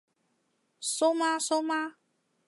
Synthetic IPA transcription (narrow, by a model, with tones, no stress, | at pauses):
so˦ma˦so˦ma˦